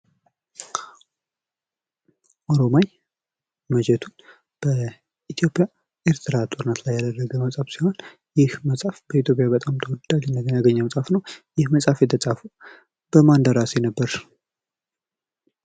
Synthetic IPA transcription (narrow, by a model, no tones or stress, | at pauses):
ʔoɾomaj | məd͡ʒɛt̪ʰun | b̥ə | ʔit̪ʰijo̞pʼja | ʔeɾt̪ʰɨɾat̪ʼo̞ɾnət̪lajːad̪ərːəɡəməsʼafsiho̞n | jɪhməsʼafb̥əit̪ʰjo̞pʼjabət̪ʼamt̪ʰəwɔd̪d̪alɛnd̪əɡəaɡəɲːəməsʼafnəwjɪhməsʼafjɛt̪ʰət͡sʼafu | b̥əmand̪əɾasenəbːəɾ